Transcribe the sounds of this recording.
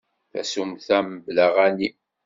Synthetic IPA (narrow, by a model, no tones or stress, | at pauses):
θæ̰sumθæməbləʁæni